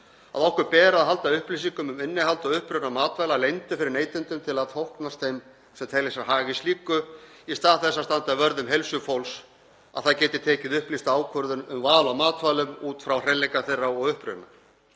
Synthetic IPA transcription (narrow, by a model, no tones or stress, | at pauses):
a̰ðɔwhkʏɾpɛːɾaaðɦal̪t̪aʏhplisiŋkʏmʏmɪnːɪhɦalt̪aʏhpɾʏðnamaːt̪vaːjlalejnt̪ʏfɪɾɪɾneːjt̪ʏnt̪ʏmt̪ʰɪlaðt̪ʰowhknast̪θejm | sɛmt̪ʰɛlesaɾɦaːɣɪst̪liːkʏ | ist̪aːðθɛsːast̪ant̪avœɾðʏmɦelsʏfowls | a̰ðθaðcɛːt̪ɪ̥t̪ʰɛːcɪðʏhplist̪aːwkʰœɾðʏnʏmvaːlamaːt̪vaːlʏmuːt̪fɾawr̥ɛnlːejkaθejrːaɔɣʏhpɾʏ̰na̰